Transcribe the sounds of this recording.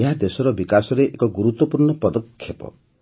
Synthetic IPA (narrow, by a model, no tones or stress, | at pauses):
eɦad̪esɔɾɔbikasɔɾeʔekɔɡuɾut̪wɔpuɾɳɔpɔd̪ɔkʰːjepɔ̰